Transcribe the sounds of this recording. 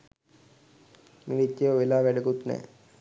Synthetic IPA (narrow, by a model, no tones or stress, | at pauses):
militːeoʋelaːʋæɖəkut̪nɛ̰ː